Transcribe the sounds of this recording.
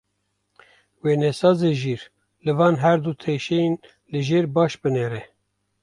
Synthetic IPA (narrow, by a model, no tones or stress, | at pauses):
weːnɛsɑːzeʒiːɾ | lɨvɑːnɦɛɾd̪ut̪ʰeʃɛen | lɨʒeːɾbɑːʃbɨnɛɾɛ